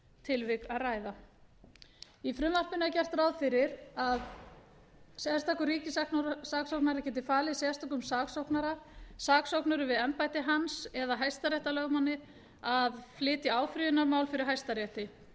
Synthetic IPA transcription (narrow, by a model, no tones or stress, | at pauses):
t̪ʰɪlvɪkɾaðraːjða | ifɾʏmːar̥pɪnacɛr̥t̪rawðfɪɾɪɾað | sjast̪akʏɾriːcɪsaknɾsaːksowknaɾacɛːt̪̬ɪfaːlɪisɛst̪akʏmsaːksowknaɾasaːksowknʏɾʏvɪðɛmpajt̪ɪɦansɛðaɦajst̪aɾɛht̪alœːɣmanːɪ | aðflɪːt̪ɪaːwfɾyðʏnaɾmaːwlfɪɾɪɾ̥ɦajst̪aɾjɛht̪ɪ